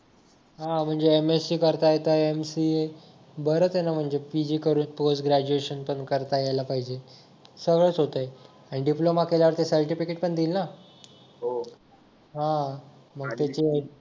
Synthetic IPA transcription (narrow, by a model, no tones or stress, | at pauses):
ɦãm̤əɳd͡zeemesiːkəɾt̪ajet̪əemsie | bəɾət͡sjenam̤əɳd͡zepid͡ʑiːkəɾuːnposʈɡɾæd͡ʑueɕənpəɳkəɾt̪ajalapaɦid͡ʑe | səɡɭəːt͡sɦot̪əje | aɽ̃iɖiplomakeljaʋəɾt̪esəɾʈifikeʈ̚pəɳd̪iːlna | ɦo | ɦã | məɡt̪jat͡ɕi